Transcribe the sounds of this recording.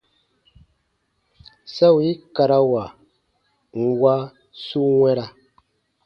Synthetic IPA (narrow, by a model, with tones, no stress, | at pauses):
sa˦wi˦ka˨ɾa˦wa˨ | ŋ̩˨wa˦ | su˦ŋwɛ˦ɾa˦